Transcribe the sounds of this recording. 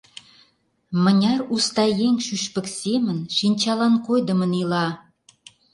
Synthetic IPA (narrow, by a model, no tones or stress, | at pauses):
mə̆nʲɑrust̪ɑjeŋʃyʃpə̆ksemə̆nʃinʲt͡ɕɑlɑnkojd̪ə̆mə̆nilɑ